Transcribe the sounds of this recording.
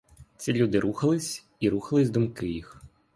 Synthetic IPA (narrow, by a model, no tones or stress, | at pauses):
tt͡sʲilʲud̪ɪɾʔuxɐlˠɪsʲ | iɾuxɐlˠɪzʲd̪ʊmkɪjix